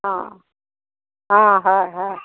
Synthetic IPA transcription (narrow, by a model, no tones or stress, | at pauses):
ɦã | ɦãɦaɦa